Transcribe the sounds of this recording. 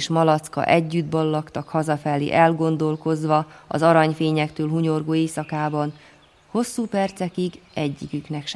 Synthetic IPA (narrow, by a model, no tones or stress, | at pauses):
ʃmɒlɒt̪skɒ̰ʔɛɟːyd̪bɒlːɒkt̪ɒkhɒzɒfɛlːḛːʔɛlɡo̞nd̪o̞lko̞zʋɒɒ̰zɒɾɒɲfeːɲɛkt̪øːlɦuɲo̞rɡoːeːsɒkaːbɒn | ho̞sːuːpɛrt̪sɛkiɡɛɟːikyknɛkʃ